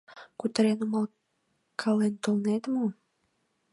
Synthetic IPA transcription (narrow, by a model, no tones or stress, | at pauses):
kut̪ɾenumɑlˠ | kʰɑlent̪olnet̪mu